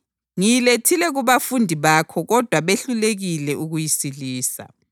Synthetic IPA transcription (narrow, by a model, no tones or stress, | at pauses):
ŋijiletʰilɛɣuβafundʱiβakʰɔɣɔd̥ʱwaβeɬuleɣilɛʔuɣujisiliːsa̰